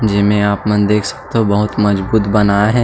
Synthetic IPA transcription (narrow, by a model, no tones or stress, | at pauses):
d͡ʒɪmẽaːpmɐ̃nd̪eːkʰsɐ̥k̚t̪eɦõbɐɦʊt̪mɐd͡ʒbuːt̪bɐnaːaɦɛː